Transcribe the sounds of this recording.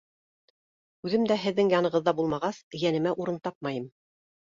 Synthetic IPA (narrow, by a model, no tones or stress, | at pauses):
ʉðɘmd̪æɦɘ̆ðːɘŋjɑnɤ̆ʁɤ̆ðːɑbulˠmɑʁɑsjænɘ̆mæʔuɾɤnt̪ɑp̚mɑjɤm